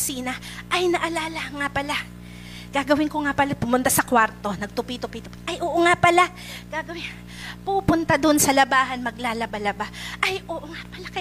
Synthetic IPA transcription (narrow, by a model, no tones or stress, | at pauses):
siːnɐ | ʔɐjnɐʔɐlaːlɐŋapɐla | ɡ̥aːɡɐwɪnkoŋapɐlapʊmʊnt̪asɐkwaɾt̪o̞nɐɡ̚t̪ʊpit̪ʊpit̪ʊpiʔɐjʔoːʔoŋapɐla | ɡ̥aːɡɐwɪn | puːpʊnt̪ad̪onsɐlɐbaːɦɐnmɐɡ̚laːlɐbalɐbaʔɐjʔoːʔoŋapɐlakɐ